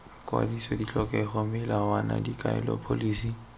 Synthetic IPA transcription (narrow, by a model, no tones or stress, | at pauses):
akʼwa̰disɔdiɬɔkʼɛχɔmɪlawanadikʼaɛ̰lɔ̰pʰoliːsi